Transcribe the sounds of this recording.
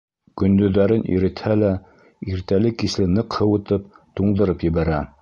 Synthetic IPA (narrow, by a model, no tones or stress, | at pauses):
kɵ̆nd̪ɵ̆ðːæɾɘnʔḭɾɘ̆t̪hælæ | iɾt̪ælɘkislɘnɤqhɤwŭt̪ɤp̚t̪uɴd̪ɤ̆ɾɤpjɘ̆βæɾæ